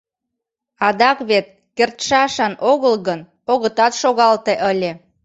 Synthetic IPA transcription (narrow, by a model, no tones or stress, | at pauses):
ɑd̪ɑkβet̪̚ | kert̪ʃɑʃɑnoɣəlɣən | oɣət̪ɑt̪ʃoɣɑlt̪eʔəlʲe